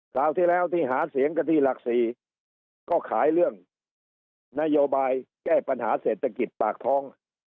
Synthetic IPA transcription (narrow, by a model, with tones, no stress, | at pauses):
kʰlaː˨˩wt̪ʰiː˥˩lɛː˦˥˩wt̪ʰiː˥˩ɦaː˩˦si˩˦əŋkʰa˧t̪ʰiː˧˥˩la˨˩k̚siː˨˩ | kɔː˥˩kʰaː˩˦jlɯ˥˩əŋ | na˦˥joː˧baː˧jkɛː˥˩pa˧nhaː˩˦seː˨˩t̪ʰːa˧ki˨˩t̪̚paː˨˩k̚t̪ʰɔː˦˥˩ŋ